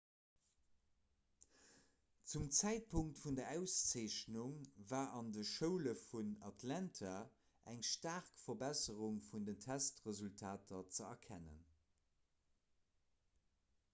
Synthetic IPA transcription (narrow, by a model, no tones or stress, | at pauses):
t͡sumt͡sæɪt̚pʰuŋktfundɐʔæʊst͡seːɪɕnuŋvaːʔɑndəʃəʊləfunɑtʰlæntʰa | ʔæŋʃtaːʁkfɐbæsəʁuŋfundəntʰæstʁəzultʰaːtʰɐt͡səɐ̰kʰænə̰n